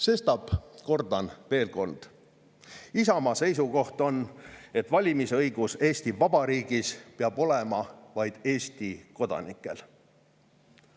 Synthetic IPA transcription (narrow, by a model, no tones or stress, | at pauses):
se̞st̪ɑb̥ko̞rd̪ɑnve̞ːlko̞nd̪̥ | isɑmɑse̞js̬uko̞ht̪o̞ne̞t̪ːˑvɑlʲimisɤjɡ̥use̞ːsʲt̪ivɑb̥ɑɾiːɡ̥ispeɑb̥o̞lemɑvɑjd̪̥e̞ːsʲt̪iko̞d̪̥ɑ̰nikːˑe̞̰l